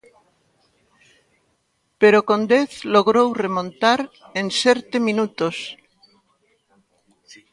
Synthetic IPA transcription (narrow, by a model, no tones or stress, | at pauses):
peɾokõnd̪eθloɣɾowremõnt̪aɾenseɾt̪emĩnut̪os